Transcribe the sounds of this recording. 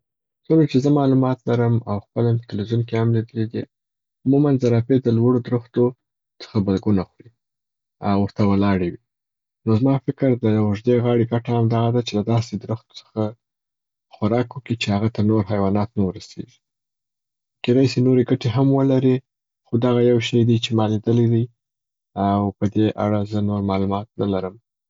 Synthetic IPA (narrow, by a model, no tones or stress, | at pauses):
soɾat͡ʃezəmɑlumɑt̪laɾəmawxpəlampət̪ɪlwizunkeamlid̪əlid̪i | ʊmumanzaɾaped̪əlwaɽod̪ɾuxt̪o | t͡sə̥xabalɡunaxɾi | a̰wəɾt̪awəlɑɽewi | nozmɑfɪkɾd̪əjwʒd̪eɣɑɽeɡaʈaamd̪ɑɣad̪at͡ʃelad̪ɑsed̪ɾʊxt̪o̥t͡sə̥xa | xaɾɑkwəkit͡ʃehaɣat̪anoɾɦajwɑnɑt̪nawəɾasḛʒi̥ | ked̪ɑjsenoɾeɡaʈeɦamwəlaɾi | xod̪aɣajawʃəjd̪it͡ʃemɑlid̪əled̪ij | awpəd̪eʔa̰ɽazənoɾmɑlumɑt̪̚nalaɾəm